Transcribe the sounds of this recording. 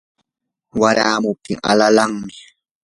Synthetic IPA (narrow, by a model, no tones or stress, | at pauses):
waɾaːmʊp̚t̪ʰɪŋa̰lalaŋmɪ